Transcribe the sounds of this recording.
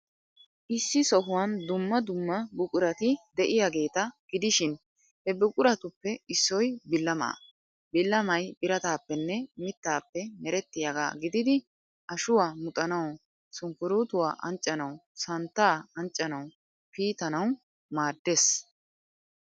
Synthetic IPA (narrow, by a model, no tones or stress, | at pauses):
ʔɪsːɪsɔɦʊwɐnd̪ʊmːɐd̪ʊmːɐbʊkʼʊɾɐt̪ɪd̪ɛʔɪjaɡe̞ːt̪ɐɡ̥ɪd̪ɪʃɪn | hɛbʊkʼʊɾɐt̪ʊpːɛɪsːɔjbɪlːɐmɐ̰ː | bɪlːɐmɐjbɪɾɐt̪aːpːɛnːɛmɪt̪ːaːpːɛmɛɾɛt̪ːɪjɐɡa̰ːɡɪd̪ɪd̪ɪ | ʔɐʃʊwaːmʊt̪ʼɐnɐw | sʊŋkːʊɾuːt̪ʊwa̰ːʔɐ̰nt͡ʃʼːɐnɐwsɐnt̪ːaːɐnt͡ʃʼːɐnɐw | piːt̪ɐnɐw | maːd̪ːes